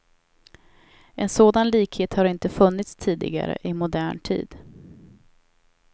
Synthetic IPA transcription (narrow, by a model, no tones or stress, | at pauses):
ʔɛnsoːd̪anliːkheːt̪haɾɪnt̪əfɵnːɪt̪st̪ʰiːd̪ɪ̰ɡa̰ɾə̰ʔɪmʊd̪æːɳʈʰḭːd̪